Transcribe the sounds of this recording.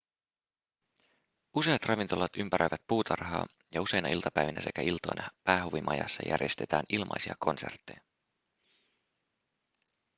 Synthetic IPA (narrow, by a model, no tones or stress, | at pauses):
use̞ɑt̪rɑʋint̪o̞lɑt̪ympæɾøjʋæt̪̚puːt̪ʰɑrɦɑ̰ː | jɑuse̞jnɑʔilt̪ɑpæjʋinæse̞kæilt̪o̞̰jnʔɑpæːɦuʋimʔɑjɑ̰sːɑjʔæ̰rje̞st̪et̪æːnilmʔɑ̰jsiɑkʰo̞nse̞̰rt̪ːejɑ